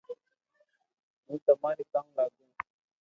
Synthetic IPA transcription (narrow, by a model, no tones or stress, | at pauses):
mũːt̪ɐmaːɾet̪ãŋlaːɡũː